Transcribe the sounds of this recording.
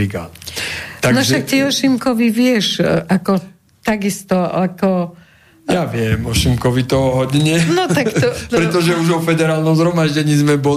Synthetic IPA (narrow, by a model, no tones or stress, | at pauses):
iɡa̰nt̪anɔʒaktiɔʃimkɔʋiʋɪɛʃʔakɔ | t̪aɡist̪ɔakɔ | jaʋɪɛmɔʃimkɔʋit̪ɔɦɔɟɲɛnɔt̪ak̪pɾɛt̪ɔʒɛuʒɔfɛd̪ɛɾaːlnɔmzɦɾɔmaʒɟɛɲiːzmɛbɔ